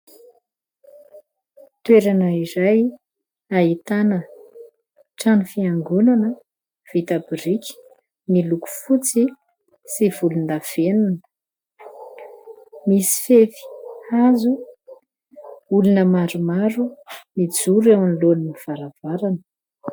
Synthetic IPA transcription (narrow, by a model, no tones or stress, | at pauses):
t̪weɾanəiɾaj | aɦit̪anə | ʈ͡ʂanifiaŋɡunanə | v̥it̪abiɾikʲi̥ | niluku̥fut͡si | siv̥ulund̪av̥enunə | misi̥fefi̥azu | ulunəmaɾumaɾumid͡zuɾewaniloniniv̥aɾav̥aɾanə̥